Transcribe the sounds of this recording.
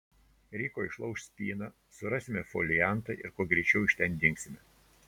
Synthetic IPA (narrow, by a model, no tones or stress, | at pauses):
ɾʲɛɪkoːɪʃlˠɐʊʃsʲpʲiːnɑ | sʊɾɑsʲɪmʲɛfɔːlʲɪjæˑnˑt̪ɐʔɪɾkuɔɡɾʲɛɪt͡ʃʲɛʊɪʃʲt̪ʲɛnd̪ʲɪŋʲksʲɪmʲɛ